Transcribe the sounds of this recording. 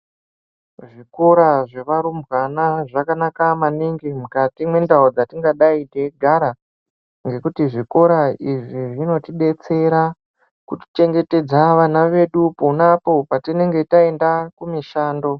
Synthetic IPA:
ʐiko̞ɾaʐe̞ʋaɾumbwanaʐakanakamaniŋɡimukatimwe̞ndaod͡zatiŋɡaɗaideɡʱaɾa | ŋɡe̞kutiʐiko̞ɾaiʐiʐino̞tiɗe̞t͡se̞ɾa | kuti̥t͡ʃe̞ŋɡe̞te̞d͡zaʋanaʋe̞ɗuponapo̞patine̞ŋɡe̞tae̞ndakumiʃaːndo̞

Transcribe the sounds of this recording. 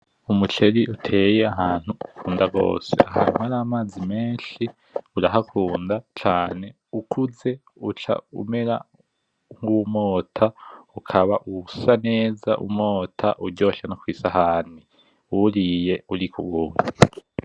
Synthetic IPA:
umut͡ʃe̞ɾiʔutʰe̞ːjeaɦaːn̥huukʰuːndaɡo̞̰ːse̞̰ʔaha̰numaɾaːmaːzimeːnʃi | uɾaɦakʰuːndat͡ʃaːne̞ | ukʰuze̞ | ut͡ʃa̰ṵme̞ɾa̰ | ŋɡumoːtʰaukʰaβaʔusane̞ːza̰ʔṵmo̞ːtʰaʔuɾɟo̞ːʃanokwiːsaɦaːni | wuɾije̞uɾikuɡua

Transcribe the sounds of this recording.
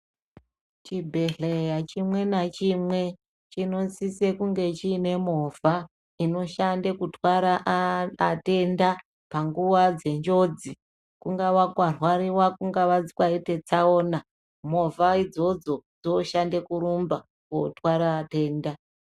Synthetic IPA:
t͡ʃibʱe̞ɮejat͡ʃimwe̞nat͡ʃimwe̞ | t͡ʃino̞nsise̞kuŋɡe̞t͡ʃiːne̞mo̞vʱa | ino̞ʃandekutwaɾaʔː | te̞nda | paŋɡuʋad͡ze̞nd͡ʒo̞d͡zi | kuŋɡaʋakwarwaɾiwakuŋɡaʋad͡zikwaitet͡saoːna | mo̞vaid͡zo̞d͡zo̞d͡zoʃandekuɾumba | kotwaɾaːte̞ːnda

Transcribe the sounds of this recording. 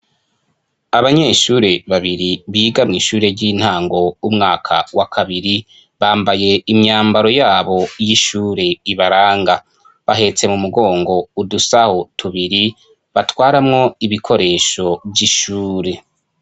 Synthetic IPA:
aβaɲe̞ʃuːɾe̞βaβiɾiβiːɡamŋiːʃuːɾe̞ɟiːn̥haːŋɡo̞umŋaːkʰa̰wakʰaβiɾi | βaːmbaje̞imɲaːmbaɾo̞jaːβo̞jiʃuːɾe̞iβaɾaːŋɡa | βaɦe̞t͡se̞mumuɡo̞ːŋɡo̞udusahotʰuβiɾi | βatwaːɾamŋo̞iβikʰo̞ɾe̞ːʃo̞bɟiʃuːɾe̞

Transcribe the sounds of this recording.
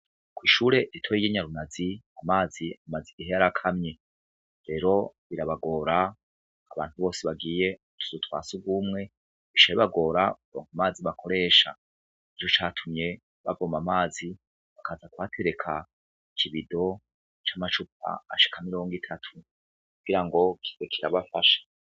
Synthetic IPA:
kwiːʃuːɾe̞ɾitʰwojijiɲaɾunaziamaːziamaziɡiɦejaɾakʰamɲe̞ | ɾe̞ːɾo̞βiɾaβaɡo̞ːɾaː | βa̰ːnthuβo̞ːseβaɡiːje̞ | tʰu̥zutwa̰ːsuɡumŋe̞ | βiʃajiβaɡo̞ːɾakuɾoːŋhamaːziβakʰo̞ɾe̞ːʃa̰ | et͡ʃot͡ʃaːtʰumɲe̞ | βa̰vomamaːzi | βakʰazakwaːtʰeɾe̞kʰa | ikʰiβido̞ | t͡ʃamat͡ʃup̚a̰ːʃi̥kʰamiɾo̞ːŋɡitʰatʰu̥ | kuɡiɾaŋɡo̞kʰi̥zekʰiɾaβafaʃḁ

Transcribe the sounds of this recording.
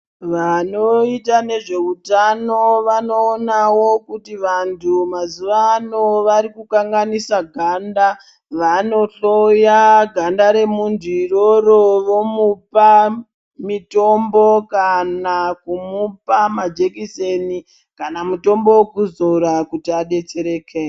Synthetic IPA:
ʋano̞itane̞ʐe̞utanoʋano̞ːnawo̞kutiʋantʰumazuʋaːno̞ʋaɾikukaŋɡanisaɡʱanda | ʋano̞ɬojaɡʱandaɾe̞mundʱuiɾoɾoʋo̞mupa | mito̞mbokanakumupamad͡ʒekiseni | kanamuto̞mbo̞wkuzoɾakutiaɗe̞t͡ʃe̞ɾeːkʰe

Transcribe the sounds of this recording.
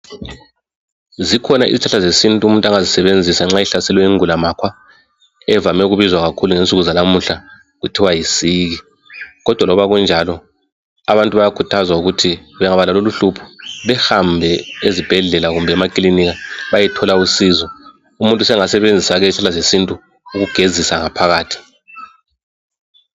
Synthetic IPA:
zikʰɔnaʔḭzit͡ʃʰaɬazesintʼuumuntʼaŋazisɛβend͡zʱisaŋ͡ǁajɛɬasɛlwɛiŋulamakʰwa | ɛvamɛuɣuβizwaɣakʰuluŋent͡sʼuɣuzalamuɬa | ɣutʰiwajisiːɣi | ɣɔd̥ʱwalɔβaɣund͡ʒʱalɔ | aβantʼuβajakʰutʰazwauɣutʰiβɛŋaβalaloluɬupʰu̥βɛhambʱɛezib̥ʱɛɮɛlaɣumbʱɛːmakʼiliniɣaβajɛtʰɔlausizɔ | umuntʼusɛŋasɛβend͡zʱisaɣɛɬalazesintʼuː | ɣuɡ̥ʱezisaŋapʰaɣaːtʰi̥

